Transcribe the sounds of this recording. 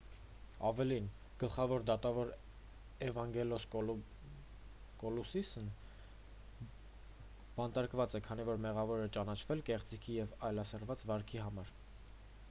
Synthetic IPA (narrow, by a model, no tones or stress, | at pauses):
ɑvɛlin | ɡ̥əlχɑvɔɾd̪ɑt̪ɑvɔɾ | ɛvɑŋɡɛlɔs | kɔlusisn | b̥ɑnt̪ɑɾkvɑt͡sɛkʰɑnivɔɾmɛʁɑvɔɾɛt͡ʃɑnɑt͡ʃʰvɛlkɛχt͡sikʰijɛvɑjlɑsəɾvɑt͡svɑɾkʰiɦɑmɑɾ